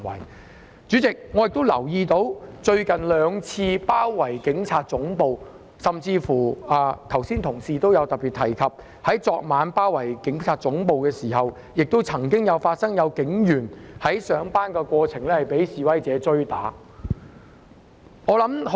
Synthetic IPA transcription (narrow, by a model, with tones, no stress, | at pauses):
wɐ̰˨˩j | t͡syː˨˥t͡sɪ˨k̚ŋɔː˨˧jɪ˨k̚t̪o˥wlɐ̰˨˩wjiː˧t̪o˨˥wt͡ʃɵ˧ɥkɐ˨nlœː˨˧ŋt͡sʰiː˧paː˥wːɐ˨˩jkɪ˨˥ŋt͡sʰaː˧t̚t͡sʊ˨˥ŋpo˨˧w | sɐ˨mt͡siː˧fuː˨˩aː˧t̪ʰɐ˨˩wsiː˥nt̪ʰʊ˨˩ŋsiː˨t̪o˥wjɐ˨˧wt̪ɐ˨k̚pːiː˨t̪̚ʰɐ˨˩jkʰɐ˨p̚ | hɐ˨˥jt͡sɔː˧k̚maː˨˧npaː˥wɐ˨˩jkɪ˨˥ŋt͡sʰaː˧t̚t͡sʊ˨˥ŋpo˨˧wkɛː˧siː˨˩ɦɐ˨w | jɪ˨k̚t̪o˥wt͡sʰɐ˨˩ŋkɪ˥ŋjɐ˨˧wfaː˧t̚sɐ˥ŋjɐ˨˧wkɪ˨˥ŋjyː˨˩nhɐ˨˥jsœː˨˧ŋpaː˥nkɛː˧kʷɔː˧t͡sʰɪ˨˩ŋlɛ˥hɐ˨jpe˨˥jsiː˨wɐ˥jt͡sɛː˨˧t͡sɵ˥ɥt̪aː˨˥ | ŋɔː˨˧lɐ˨˥m